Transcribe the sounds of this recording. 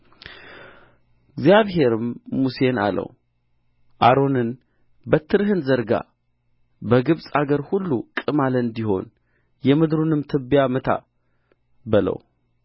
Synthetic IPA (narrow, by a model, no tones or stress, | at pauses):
ɡzjaβɦe̞ɾɨmːuse̞na̰lə̰w | ʔaɾo̞nɨn | bət̪ʰːɨɾhɨnzəɾɡa̰ | bəɡɨβsʼaɡəɾhulːukʼɨmalɨnd̪iho̞̰n | jɛmɨd̪ɾunɨmt̪ʰɨbjamɨt̪ʰa̰ | bɨlə̰w